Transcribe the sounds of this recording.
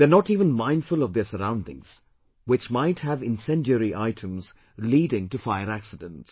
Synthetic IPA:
ðənɔtiːvə̃nmãɪ̃ndfʊlˠɔvðəsəɾãʊ̃ndɪ̰̃ŋz̥ | wɪt͡ʃmaɪthævɪ̃nsɛ̃ndjəɾiʔaɪtʰə̃mz̥ | liːɾɪ̃ŋtufaɪəɾæksɪdə̃nts

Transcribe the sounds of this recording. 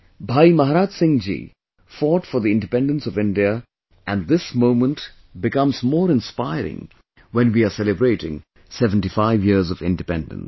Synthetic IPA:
bʱaːimaɦɾaːd͡ʒsɪ̃ŋd͡ʒḭ | fɔːʈfɔɾðiɪ̃nɖɨpɛ̃nɖə̃nsɔvɪ̃nɖiə | ʔæ̃nd̪ɪsmõʊ̃mə̃nt | bɪkʌ̃mzmɔːɾɪ̃nspaɪɾɪ̰̃ŋ | wɛ̃nwiasɛlɨbɾeɪʈɪ̰̃ŋ | sɛvə̃n̩ʈifaɪvjiɾzʌvɪ̰̃nɖɨpɛ̃ndə̰̃n

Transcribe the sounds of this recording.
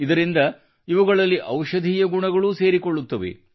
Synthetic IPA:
id̪ɐɾind̪ɐ | iʋuɡɐɭɐlːiʔɐwʃɐd̪ʱiːjɐɡuɳɐɡɐɭuse̞ːɾikoɭːut̪ːɐʋḛ

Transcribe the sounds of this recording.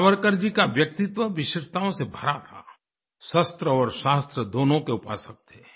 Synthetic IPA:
ʋəɾkəɾd͡ʒikaʋjɐk̚t̪ɪt̪ʋəʋɪʃɪʃt̪aõsebʱɐɾat̪ʰa̰ | ʃəst̪ɾəɔːɾʃaːst̪ɾəd̪oːnõkeʊpa̰ːsək̚t̪eː

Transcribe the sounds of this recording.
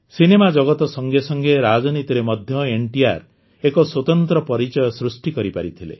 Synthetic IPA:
sinemad͡ʒɔɡɔt̪ɔsɔŋɡesɔŋɡeɾad͡ʒɔnit̪iɾemɔd̪ʱjɔeɳʈia̰ɾ | ekɔswɔt̪ɔnt̪ɾɔpɔɾit͡ʃɔjɔsɾusʈikɔɾipaɾit̪ʰilḛ

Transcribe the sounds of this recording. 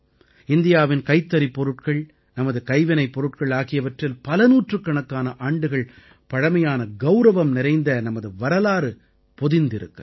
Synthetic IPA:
ɪnd̪ɪjaːʋɪnkɐɪt̪ːɐɾipːɔɾɯʈ̚kɐɭ | nɐmɐðɯkɐɪʋɐnɐɪpːɔɾɯʈkɐɭaːɣɪjɐʋɐʈrɪlpɐlɐnuːʈrɯkːɐɳɐkːaːnɐʔaːɳɖɯɣɐɭ | pɐɻɐmɐjaːnɐɡɐʊɾɐʋɐmnɪɾɐɪnd̪ɐnɐmɐðɯʋɐɾɐlaːɾɯ | pɔðɪnd̪ɪɾɯ̰kːɐ

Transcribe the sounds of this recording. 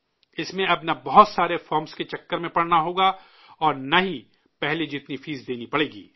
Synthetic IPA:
ɪsmẽɐbnɐbɐɦʊt̪saːɾefɔːɾmsket͡ʃɐkːəɾmẽpɐɽnaɦoːɡa | ɔːɾnɐɦi | pɛɦled͡ʒɪt̪nifiːzd̪eːnipɐɽeːɡḭː

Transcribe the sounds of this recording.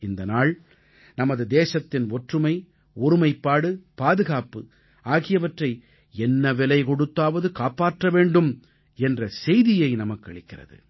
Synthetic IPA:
ɪnd̪ɐnaːɭ | nɐmɐðɯd̪eːsɐt̪ːɪnɔʈrɯmɐɪ | ʊɾɯmɐɪpːaːɽɯpaːðɯɣaːpɯ | aːɣɪjɐʋɐʈrɐɪ | ɛnːɐʋɛlɐɪkɔɽɯt̪ːaːʋɐðɯkaːpaːʈrɐʋeːɳɖɯm | ɛndrɐsɛjðɪjɐɪnɐmɐkːɐɭɪkːɪrɐ̰ðɯ̰

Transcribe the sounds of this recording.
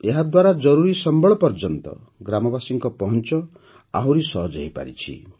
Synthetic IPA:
eɦad̪waɾad͡ʒɔɾuɾisɔmbʱɔɭɔpɔɾd͡ʒɔnt̪ɔ̰ | ɡɾamɔbasiŋkɔpɔɦɔnt͡ʃɔ | aɦwɾisɔɦd͡ʒɔɦipa̰ɾḭt͡ʃʰḭ

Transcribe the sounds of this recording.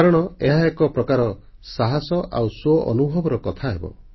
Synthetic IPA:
aɾɔɽ̃ɔeɦaekɔpɾɔkaɾɔ | saɦasɔʔa̰wsɔʔɔ̰nubʱɔbɔɾɔkɔt̪ʰaɦebɔ̰

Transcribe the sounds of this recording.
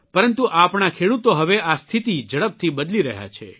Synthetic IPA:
pəɾənt̪uʔapɳakʰeɽut̪oɦəʋeast̪ʰit̪id͡ʒəɽəb̚t̪ʰibəd̪liɾəɦja̰t͡ʃʰḛ

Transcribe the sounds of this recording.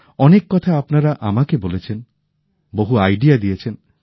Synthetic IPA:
ɔnekːɔt̪ʰaapnaɾaʔamakebolet͡ɕʰen | boɦuajɖijad̪ijet͡ʃʰen

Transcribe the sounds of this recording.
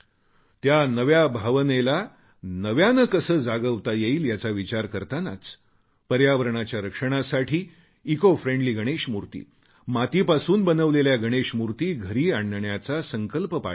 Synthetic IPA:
t̪janəʋjabʱaʋənela | nəʋjanəkəsəːd͡zaɡəʋt̪ajeiːljat͡saʋit͡ɕaɾkəɾt̪ana̰t͡s | pəɾjaʋəɾɳat͡ɕjaɾəkʂəɽ̃asaʈʰiː | kofɾẽɳɖliːɡʱəɽ̃eɕmuɾt̪ḭː | mat̪iːpasuːnbənəʋleljaɡʱəɽ̃eɕmuɾt̪iːɡʱəɾiːaɳɳjat͡sasəŋkəlpəpa̰

